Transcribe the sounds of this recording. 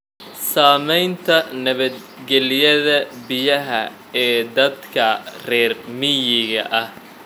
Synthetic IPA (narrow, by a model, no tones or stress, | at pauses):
saːmɛjnt̪ʰɐnɐβɐd̪̚ | ɡɛlɪjɐðɐbɪjɐɦɐ | ɛːd̪ɐd̪kʰɐrɛːrmɪjɪɣɐ̰ʔɐh